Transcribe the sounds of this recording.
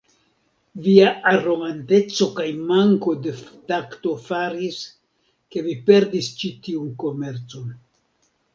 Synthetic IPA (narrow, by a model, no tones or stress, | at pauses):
viaʔaɾo̞ɡante̞t͡so̞kajmaŋko̞de̞ftakto̞faɾis | ke̞vipe̞ɾdist͡ʃitiunko̞me̞ɾt͡so̞n